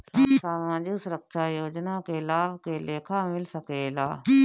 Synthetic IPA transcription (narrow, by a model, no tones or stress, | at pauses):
saːʋãːd͡ʒuːsʊɾəkʃaːjoːd͡ʒnãːkeːlaːʋkeːleːkʰaːmɪlsəkeːlaː